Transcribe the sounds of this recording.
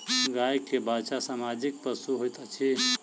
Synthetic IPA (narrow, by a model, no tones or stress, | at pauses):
ɡajkʰːebasasamad͡ʒik̚pəsuɦojt̪ət͡ʃʰi